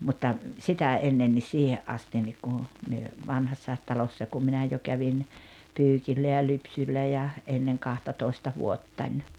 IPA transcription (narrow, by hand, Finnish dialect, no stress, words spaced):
mutːɑ sitæ enːen nis siːheʔ ʔɑstin nik kun̞ myø ʋɑnhɑsːɑˑet tɑlosːɑ kum minæ jo kæʋin pyːkilːæ jɑ lypsylːæ jɑ ʔenːeŋ kɑhtɑtoistɑ ʋuotːɑnʲ